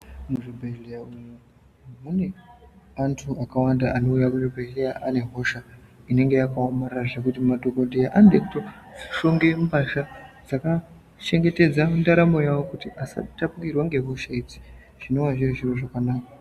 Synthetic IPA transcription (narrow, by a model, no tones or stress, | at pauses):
muʐibʱeʒejaumu | mune̞ | antʰuakawandaano̞ujakuʐibʱeɮejaʔane̞ɦo̞ʃaine̞ŋɡe̞jakaomaraʐekutimadʱokodʱijaʔandekto | d͡ziʃo̞ŋɡe̞mbaʃad͡zaka | t͡ʃe̞ŋɡe̞te̞d͡zamundaɾamo̞jawo̞kutiʔasa̰tapukirwaŋɡe̞ɦo̞ʃaid͡zi̥ | ʐ̥ino̞waʐiriʐiroʐakanaːka